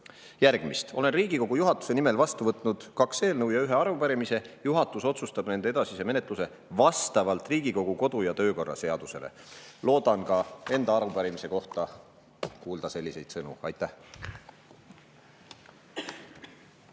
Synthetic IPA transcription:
jæɾɡ̥mist̪o̞le̞nriːɡ̥iko̞ɡ̥ujuɦɑt̪ːˑu̥se̞nime̞lvɑst̪uvɤt̪ˑnud̪̥kɑkse̞ːlnɤwjɑyɦe̞ɑɾupæɾimise̞juɦɑt̪ːˑuso̞t̪sust̪ɑb̥ne̞nd̪ee̞d̪̥ɑsise̞me̞ne̞t̪ˑluse̞ | vɑst̪ɑvɑlt̪ˑriːɡ̥iko̞ɡ̥uko̞d̪̥ujɑt̪ø̞ːko̞rːɑ̰se̞ɑd̪̥use̞̰le̞̰ | lo̞ːd̪ɑnkɑe̞nd̪ɑɑɾupæɾimise̞ko̞ht̪ɑ | kuːld̪̥ɑse̞lʲːise̞jd̪̥sɤnṵɑ̰jt̪ːˑæh

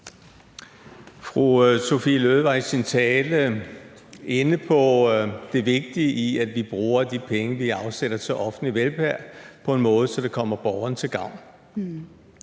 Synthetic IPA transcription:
fʁuso̝filøðˠʋɑ̈isint͡sʰɛːlə | enəpʰɒ̽d̥e̝ʋe̝ɡ̥̚d̥iəʔiæd̥ʋib̥ʁuːɐd̥ipʰeŋəʋiɑ̈ʊseɾ̥ɐt͡sʰeʔɒ̽fn̩liʋelbæɐ̰pʰɒ̽e̝nmɔ̽ːð̞̩ˠsɒ̽d̥ekʰɒ̽m̰ɐb̥ɒʊɐnət͡sʰe̝lɡ̥ɑ̈ʊ̰n

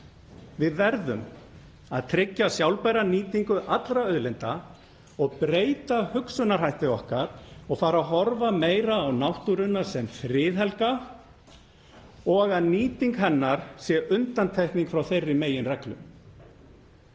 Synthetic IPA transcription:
vɪðvɛɾðʏm | a̰ðt̪ʰɾɪcːasjawlpajɾaniːt̪iŋkʏʔat̪lɾaœðlɛnt̪a | ɔɣpɾeːjt̪ahʏksʏnaɾ̥ɦajht̪ɪɔhkaɾ̥ɔɣfaːɾaɦɔɾvameːjɾaːwnawht̪uɾʏnːasɛmfɾɪːðɛlka | ɔɣaðniːt̪iŋkɦɛnːaɾ̥sjɛʔʏnt̪ant̪ʰɛjhkniŋkfɾawθejrːɪmeːjɪnrɛklʏ̰m

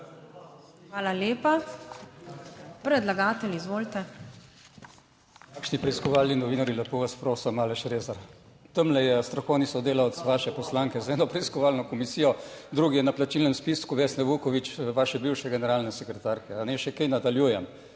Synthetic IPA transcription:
xʋaːlaljeːpa | pɾɛd̪laɡaːt̪ɛliːzʋoːlt̪ɛ | kaːkʃnipɾɛiskɔʋaːlninɔʋiːnaɾilɛpuʋaspɾoːsəmaːlɛʃɾeːzaɾ | t̪əmlɛjɛst̪ɾɔxɔwnisɔd̪eːlawt̪sʋaːʃɛpɔslaŋkɛzɛːnɔpɾɛiskɔʋaːlnɔkɔmisiːjɔd̪ɾuːɡijɛnaplat͡ʃiːlnɛmspiskuʋeːsnɛʋukɔʋit͡ʃʋaːʃɛbiwʃɛɡɛnɛɾaːlnɛsɛkɾɛt̪aːɾkɛanɛʃɛkɛjnad̪aljuːjɛm

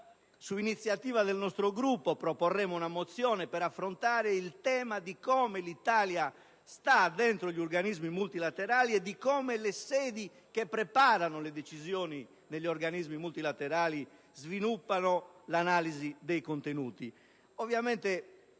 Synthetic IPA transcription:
suinit̪sːjat̪iːvaðɛlnɔst̪ɾoɡɾupːɔpɾɔpɔrːɛmounamot̪sːjɔːnɛpɛɾafːɾont̪aːɾeilt̪ɛːmad̪ikɔːmɛlit̪aːlja | st̪ad̪ːɛnt̪ɾoʎioɾɡanizmimult̪ilat̪eɾaːliɛd̪ːikɔːmɛlɛsɛːd̪i | kepːɾɛpaːɾanoled̪et͡ʃizjɔːni | nelʎːiɔɾɡanizmimult̪ilat̪ɛɾaːli | zvinupːanɔlanaːlizid̪ejkont̪enuːt̪i | ovjamɛnt̪ɛ

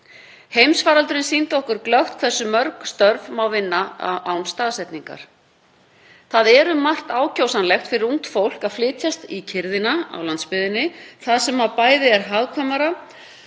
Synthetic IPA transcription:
hejmsvaːɾalt̪ʏɾɪnsint̪ɔhkʏɾklœxt̪̚kʰθɛsːʏmœɾkst̪œɾvmawvɪnːaa̰awnst̪aːðsɛt̪niŋka̰ɾ̥ | θaðɛɾʏmːar̥t̪aːwcʰowsanlɛxt̪fɪɾɪɾuŋt̪fowl̥kaðflɪːt̪ʰjast̪icʰɪɾðɪnaa̰wlant̪spɪðɪnːɪθaðsɛmhavpaːjðɪɛɾɦaðkʰvamaɾa

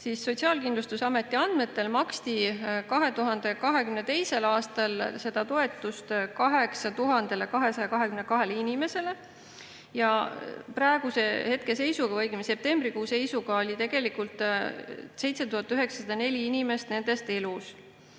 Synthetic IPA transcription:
siːsːo̞t̪ʲsiɑːlkind̪lust̪usɑme̞t̪ːˑiɑnd̪̥me̞t̪ːe̞lmɑkst̪ikɑɦe̞t̪uɦɑnd̪̥e̞kɑɦe̞kymnet̪e̞jse̞lɑːst̪ɑlse̞d̪̥ɑt̪o̞e̞t̪ːˑust̪kɑɦe̞ksɑt̪uɦɑnd̪̥e̞lekɑɦe̞sɑjɑkɑɦekymnekɑɦe̞linime̞se̞le | jɑprɑeɡ̥use̞he̞t̪̚ke̞se̞jsuɡ̥ɑvɤjɡymse̞p̚t̪e̞mbrikuːse̞jsuɡ̥ɑo̞lʲit̪e̞ɡ̥e̞likult̪ˑ | se̞jt̪se̞t̪uhɑt̪ːˑyɦe̞ksɑ̥sɑd̪ɑnelʲiinime̞st̪ne̞nd̪̥e̞st̪e̞lus

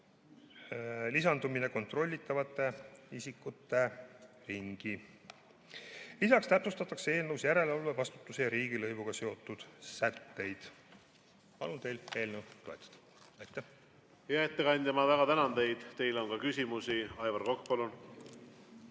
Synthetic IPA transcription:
lisɑnd̪umine̞ko̞nt̪ro̞lʲːit̪ːˑɑvɑt̪ːˑe̞isikːˑut̪ːˑe̞ | riŋɡ̥i | lisɑkst̪æpsust̪ɑt̪ːˑɑkseeːlnəwsjæɾe̞levɑlve̞vɑst̪u̥t̪ːˑusejɑɾiːɡ̥ilɤjvuɡ̥ɑse̞o̞t̪ːˑud̪̥sæt̪ːe̞jd̪̥ | pɑ̰lunt̪e̞jle̞ːlnəwt̪oet̪ːˑɑ̥d̪̥ | ɑjt̪ːˑæ | jɑet̪ːekɑnʲt̪emɑvæɡ̥ɑt̪ænɑnd̪e̞jd̪̥t̪e̞jlonkɑkysʲimusiɑjvɑɾkokːpɑlun

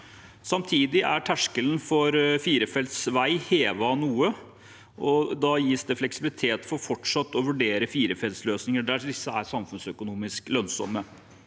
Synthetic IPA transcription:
sɑmt̪ʰiːd̪ɪʔæʈʰæʂkəlnfɔɾfiːɾəfɛlt̪sʋæɪheːʋɑnuːə | ʔɔd̪ɑjiːsd̪ɛflɛksɪblɪt̪ʰeːt̪fɔɾfɔʈʂɑt̪ːɔʋʉɖeːɾəfiːɾəfɛlt̪sløːsnɪŋəɖ̪æɖ̪ɪsːəæɾsɑmfʉnsœkʊnuːmɪsklœnsɔ̰mːə

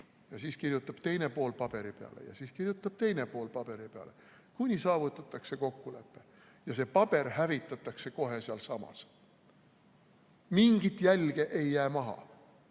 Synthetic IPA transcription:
jɑsiːskirjut̪ːˑɑb̥t̪e̞jne̞po̞ːlpɑb̥e̞ɾipe̞ɑ̰lḛjɑ̰siːskirjut̪ːˑɑb̥̚t̪e̞jne̞po̞ːlpɑb̥e̞ɾipeɑ̰le̞ | kunʲisɑːvut̪ːˑɑt̪ːˑɑkse̞ko̞kːule̞pːe̞ | jɑse̞pɑb̥e̞rhævit̪ːˑɑt̪ːˑɑkse̞ko̞ɦe̞seɑlsɑmɑ̰s | miŋɡ̥it̪ˑjælɡ̥e̞ʔe̞jːæːmɑɦɑ̰

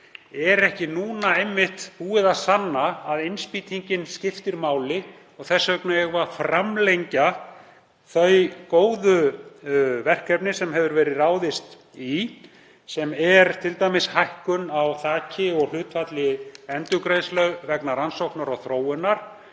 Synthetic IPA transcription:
ɛɾɛhcɪnuːnaejmːɪht̪puːɪðasanːaːðejnspiːt̪ʰiɲcɪnscɪft̪ɪɾmaːwlɪ | ɔɣθɛsːœknaɛɣvafɾamlejɲca | θœɥkoːwðʏ | vɛr̥kːɛpnɪsɛmɦɛvʏɾvɛːɾɪðraːwðɪst̪ | i | sɛmɛɾt̪ʰɪlt̪ajmɪshajhkʏnawθaːcʰɪɔɣl̥ʏːt̪fat̪lɪɛnt̪ʏkɾejslœɣvɛknaɾansowhknaɾawθɾoːwʏnaɾ̥

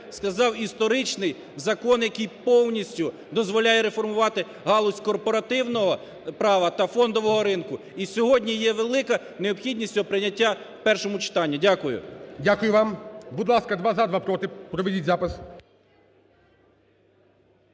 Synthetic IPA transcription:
skɐzɑwist̪ɔɾɪt͡ʃnɪj | zɐkɔnjɐkɪjpɔwnʲisʲtʲʊ | d̪ɔzʋɔlʲajɛɾefɔrmʊʋɑt̪ɪ | ɦɑlˠɔsʲkɔrpɔɾɐt̪ɪwnɔɦɔ | pɾɑʋɐt̪ɐfɔnd̪ɔʋɔɦɔɾɪnkʊ | isʲɔɦɔdʲnʲijɛʋelˠɪkɐ | neɔbpxʲidʲnʲisʲtʲɔpɾɪnʲːɐtʲːa | wpɛrʃɔmʊt͡ʃɪ̥t̪ɑnʲːidʲakʊjʊ̰dʲakʊjʊʋɑmbʊd̪lˠɑskɐd̪ʋazad̪ʋapɾɔt̪ɪpɾɔʋedʲitʲzɑpɪs

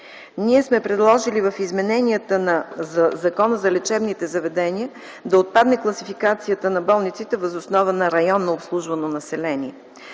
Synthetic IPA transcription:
niɛsmɛpɾɛd̪lˠɔʒilivəfizmɛnɛniət̪ənɐzzɐkɔnəzɐlɛt͡ʃɛbnit̪ɛzɐvɛd̪ɛniə | d̪ɐot̪̚pad̪nɛklˠɐsifikat̪sijət̪ənɐbɔlˠnit̪sit̪ɛvɐzosnɔvənɐɾɐjɔnːoopslˠuʒvɐnonɐsɛlɛniɛ

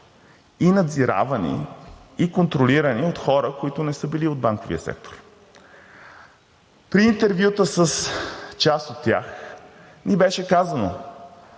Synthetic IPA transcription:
inɐd̪ziɾa̰vənḭikont̪ɾoliɾəniot̪xɔɾəkoit̪ʊnɛsəbiliod̪̚baŋkovḭəsɛ̰k̚t̪o̥ɾ | pɾiːnt̪ɛɾvjut̪əsəst͡ʃast̪ot̪ʲːja̰x | nibɛʃɛkazəno̰

